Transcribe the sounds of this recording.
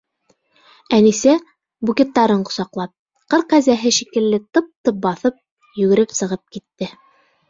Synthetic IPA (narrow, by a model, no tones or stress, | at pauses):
ænisæ | bukʲet̪ːɑɾɤɴqŏ̥sɑqlˠɑp̚ | qɤɾqæzæɦɘʃikɘ̆lːɘt̪ɤ̆p̚t̪ɤp̚bɑθɤp̚ | jʉ̆ɡɘ̆ɾɘpsɤ̆ʁɤp̚kit̪ːɘ